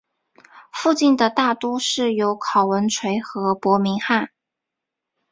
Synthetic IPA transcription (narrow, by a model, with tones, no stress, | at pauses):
fu˥˧t͡ɕi˥˩nd̪ə˩t̪a˥˩t̪u˥ʂɻ̩˥˩jo˧˥ʊkʰɑ˨˩ʊwə˧˥nʈ͡ʂʰwe˧˥ɪxɤ˧˥pwɔ˧˥mi˧˥ŋxa˥˩n